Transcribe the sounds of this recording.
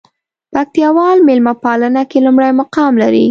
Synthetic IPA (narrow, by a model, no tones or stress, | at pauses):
pak̚t̪jɑwɑlmelmapɑlənakelumɽajmʊqɑmlaɾi